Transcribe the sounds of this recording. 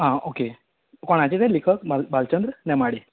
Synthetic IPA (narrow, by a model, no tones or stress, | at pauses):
ɦãoke | koɳ̃ad͡ʑet̪ɛ̃likʰək̚balbalt͡ɕənd̪ɾənɛmaɽi